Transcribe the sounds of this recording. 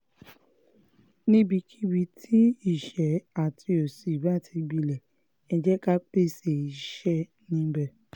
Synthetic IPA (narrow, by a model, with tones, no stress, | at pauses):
nĩ˦bi˧kʰi˦bi˧˦tʰi˦i˦˨ʃɛ˨˦a˦˨tʰi˧o˨si˨i˨ba˦˨tʰi˧ɡ͡bi˧lɛ˨ | ɛ˧d͡ʒɛ˦ka˦k͡pe˦˨se˦˨i˨˦ʃɛ˦ | nĩ˦bɛ˧